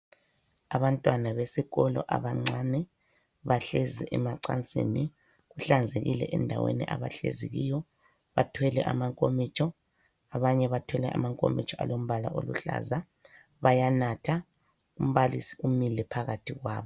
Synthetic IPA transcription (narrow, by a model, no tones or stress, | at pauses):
aβantʼwanaβesiɣɔlɔ̰ʔaβaŋ͡ǀanɛ | βaɬeziʔɛmaǀant͡sʼḛni | ɣuɬand͡zʱeɣilɛ̰ʔɛndʱawḛnḭʔa̰βa̰ɬḛzḭɣijɔ | βatʰwɛlɛʔamaŋkʼomit͡ʃʼɔ | aβaɲɛβatʰwɛlɛʔa̰maŋkʼo̰mḭt͡ʃʼɔalom̩βala̰ʔo̰lṵɬa̰za | βajanatʰa | um̩βalisi̥umilɛpʰaɣatʰiɣwa̰ːβɔ